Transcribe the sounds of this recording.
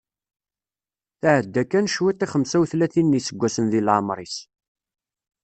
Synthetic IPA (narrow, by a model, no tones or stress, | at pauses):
θaʕəd̪ːækːænʃwit̪ːiχəmsæwθlæθinːisəɡʷːæsənðilʕamɾˤis